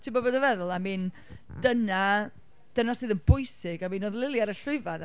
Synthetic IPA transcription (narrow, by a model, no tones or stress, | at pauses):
tʰɪmbɔboːdəvɛðʊlˠamin | d̥əna | d̥ənasɨːðənbʊjsɪɡamiːnoːðlˠɪlˠjaɾəɬrʊɨvan